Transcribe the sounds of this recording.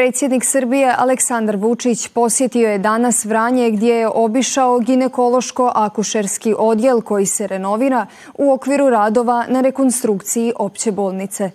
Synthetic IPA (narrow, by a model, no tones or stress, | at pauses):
pɾe̞ːt̪sje̞d̪niksɨrbije̞ʔa̰le̞ksand̪ɾʋut͡ʂit͡ɕpo̞sjet̪io̞je̞d̪anasʋɾaːɲe̞ɡd̪jejeʔo̞biʃaoɡine̞ko̞lˠo̞ʃko̞ʔakuʃeɾskiʔo̞d̪je̞lˠko̞jise̞ɾe̞no̞ʋiɾa | uo̞kʋiɾuɾaːd̪o̞ʋanaɾe̞ko̞nst̪ɾukt̪sijiʔo̞pt͡ɕe̞bo̞ːlˠnit̪se̞